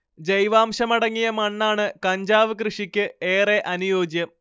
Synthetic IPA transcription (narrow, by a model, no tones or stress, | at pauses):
d͡ʑejʋaːmɕɐmɐɽɐŋːijɐmɐɳːaːɳɨkɐɲd͡ʑaːʋɨkrɨʂikʲːɨeːreʔɐnujo̞ːd͡ʑjɐm